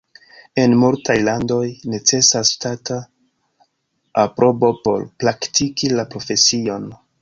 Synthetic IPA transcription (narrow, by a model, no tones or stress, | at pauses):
e̞nmultʰajlando̞jne̞t͡se̞sastata | apɾʔo̞bo̞po̞ɾpɾaktʰikilapɾo̞fe̞sio̞n